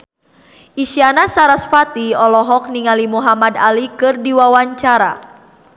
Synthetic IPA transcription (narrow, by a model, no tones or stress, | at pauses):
ʔiʃianasaɾasfat̪iɔlɔɦɔk̚niŋalimuɦamadalikɨrdiwawaɲt͡ʃaɾa̰